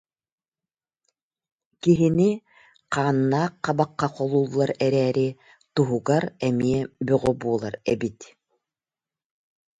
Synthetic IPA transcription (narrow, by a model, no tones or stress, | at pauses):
kiɦini | qaːnːaːqːɑbaqːɑqɔlˠuːlˠːaɾɛɾɛːɾi | t̪uɦuɡaɾɛmiɛbyʁɔbuːlˠaɾɛbit̪